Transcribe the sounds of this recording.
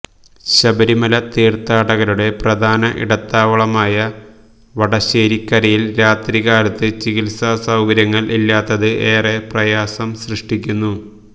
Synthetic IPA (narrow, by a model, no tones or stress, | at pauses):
ɕɐbɐɾimɐlɐt̪iːrt̪aːɽɐɣɐɾuɽe̞prɐd̪ʱaːnɐʔḭɽɐt̪ːaːʋɐɭɐmaːjɐ | ʋɐɽɐɕeːɾikʲːɐɾɐjilɾaːt̪ɾiɣaːlɐt̪ːɨt͡ɕiɣilsasɐwɡɐɾjɐŋːɐɭʔilːaːt̪ːɐðɨeːre̞prɐjaːsɐmsrɨʂʈikʲːunːu